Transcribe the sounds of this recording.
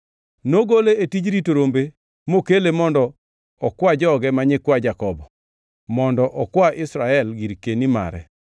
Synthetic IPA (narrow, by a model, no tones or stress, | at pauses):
noɡoleetid͡ʒɾitoɾombe | mokelemɔndɔ | ɔkwad͡ʒɔɡɛmaɲɛkwad͡ʒakɔbɔ | mɔndɔʔɔkwaʔɪsɾaɛlɡiɾkenima̰ɾɛ̰